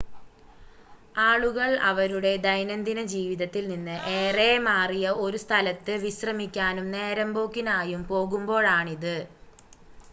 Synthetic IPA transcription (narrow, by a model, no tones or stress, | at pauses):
aːɭuɣɐɭɐ̰ʋɐɾuɽe̞d̪ɐjnɐnd̪inɐd͡ʑiːʋiðɐt̪ːilninːɨʔe̞ːre̞ːmaːrijɐʔo̞ɾust̪ʰɐlɐt̪ːɨʋiɕrɐmikʲːaːnumne̞ːɾɐmbo̞ːkːinaːjumpo̞ːɣumbo̞ːɭaːɳiðɨ